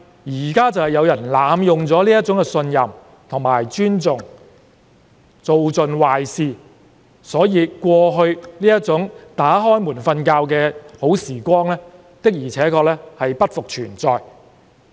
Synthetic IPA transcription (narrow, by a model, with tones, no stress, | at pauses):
jiː˨˩kaː˥t͡sɐ˨whɐ˨jɐ˨˧wjɐ˨˩nlaː˨˧mjʊ˨ŋt͡sɔː˨˥liː˥ɐ˥t̚t͡sʊ˨˥ŋkɛː˧sɵ˧njɐ˨m | t̪ʰʊ˨˩ŋmaː˨˩jt͡ʃyː˥nt͡sʊ˨ŋ | t͡so˨wt͡sɵ˨˧nwaː˨jsiː˨˧ | sɔː˨˥jiː˧kʷɔː˧ɦɵ˧ɥniː˥jɐ˥t̚t͡sʊ˨˥ŋt̪aː˨˥ɦɔː˥jmuː˨˩nfɐ˧nkaː˧wkɛː˧ho˨˥wsiː˨˩kʷɔː˥ŋlɛː˥ | t̪ɪ˥k̚jiː˨˩t͡sʰɛː˨˥kʰɔː˧k̚lɛː˥hɐ˨jpɐ˥t̚fʊ˨k̚t͡ʃʰyː˨˩nt͡sɔː˨j